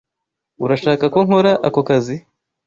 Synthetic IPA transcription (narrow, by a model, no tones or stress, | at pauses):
uɾaʃaːkako̞ŋho̞ɾaʔako̞kazi